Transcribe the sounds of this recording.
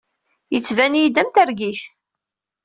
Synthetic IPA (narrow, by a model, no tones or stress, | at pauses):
jət͡sːvænjid̪æmt̪æɾɡiθ